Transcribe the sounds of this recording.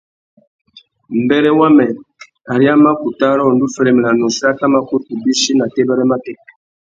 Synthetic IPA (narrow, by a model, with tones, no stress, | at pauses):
m̩˨bɛ˦ɾɛ˦wa˦mɛ˨ | a˨ɾi˦a˦ma˦ku˨ta˦ɾɔ˦˨ndu˦fɛ˨ɾɛ˨mɛ˨la˨nɔ˨si˦a˦ka˦ma˦ko˦tu˨bi˦si˦na˨tɛ˦bɛ˦ɾɛ˦ma˦tɛ˦k